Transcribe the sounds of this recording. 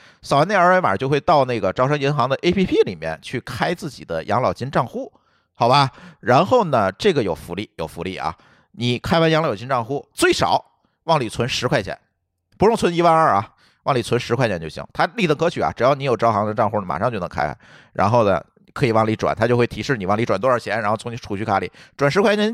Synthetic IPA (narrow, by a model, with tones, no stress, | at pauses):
sɑ˨˩wa˧˥ne˥˩˧ə˞˧˥˧e˧˥ma̰˨˩t͡ɕjo˥˧ʊxwe˧ɪt̪ɑ˥˧ʊna˥˩ɡə˩ʈ͡ʂɑ˥ʊʂɤ˥ŋi˧˥nxɑ˧˥ŋd̪ə˧ʔe˥ɪpʰi˥pʰi˥li˨˩mjɛ̰˥˧nt͡ɕʰy˥˩kʰa˥ɪt͡sɹ̩˥˩t͡ɕḭ˨˩d̪ə˦jʔɑ̰˧˥ŋlɑ˨˩ʊt͡ɕi˥nʈ͡ʂɑ˥˧ŋxu˥˩ | xɑ˨˩ʊbɐ˧ɻa˧˥nxo˥˩ʊnə˩ʈ͡ʂɤ˥˩ɡə˩jo˨˩ʊfu˧˥li˥˩jo˨˩ʊfu˧˥li˥˩ʔɐ̰˩ | ni˨˩kʰa˥ɪwa˧˥njɑ˧˥ŋlɑ˨˩ʊt͡ɕi˥nʈ͡ʂɑ˥˧ŋxu˥t͡swe˥˩ɪʂɑ̰˨˩˦ʊ | wɑ˥˩ŋli˨˩t͡sʰwə˧˥nʂɻ̩˧˥kʰwa˥˩ɪt͡ɕʰjɛ̰˧˩˦n | pu˧˥ɻʊ˥˩ŋt͡sʰə˧˥ni˧˥wa˥˧nə˞˥˧˩ɐ̰˩ | wɑ˥˩ŋli˨˩t͡sʰə˧˥nʂɻ̩˧kʰwa˥˩t͡ɕjɛ˧˥nt͡ɕo˥˧ʊɕḭ˧˥ŋt̪ʰa˥li˥˩t̪ɤ˧˥˩ŋkʰɤ˧˥t͡ɕʰy˨˩ɐ̰˧ʈ͡ʂɻ̩˨˩jɑ˥˩ʊni˥jo˨˩ʈ͡ʂʊxɑ˧˥ŋd̪ə˧ʈ͡ʂɑ˥˧ŋxu˥˩ma̰˨˩ʂɑ˥˧ŋt͡ɕo˥ʊnə˧˥ŋkʰa̰˥ɪa̰˧˩˦ | ɻa̰˧˥nxo˥˩ʊnə̰˩ | kʰɤ˧˥i˨˩wɑ˥˩ŋli˧˥ʈ͡ʂwa̰˨˩˦nt̪ʰa˥t͡ɕjo˥˧xwe˥˩t̪ʰi˧˥ʂɻ̩˥˩ni˨˩wɑ˥˩ŋli˧˥˩ʈ͡ʂwa˨˩nt̪wɔ˥˧ə˞˧˥t͡ɕʰjɛ˧˥nɻnxo˥˩˧ŋni˧˥ʈ͡ʂʰu˨˩t͡ɕʰy˧˥˩kʰa˧˥lḭ˨˩˦ʈ͡ʂwa˨˩nʂɻ̩˧˥kwa˥˩t͡ɕɛ˧˥n